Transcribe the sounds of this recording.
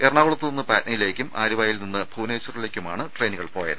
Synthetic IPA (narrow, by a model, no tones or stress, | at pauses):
erɳaːɣuɭɐt̪ːɨninːɨpaːtnɐjile̞ːkʲːumʔaːɾiʋaːjilninːɨbʱuːneːt͡ɕːɐrile̞ːkʲːuma̰ːɳɨʈre̞jniɣɐɭpo̞ːjɐ̰ðɨ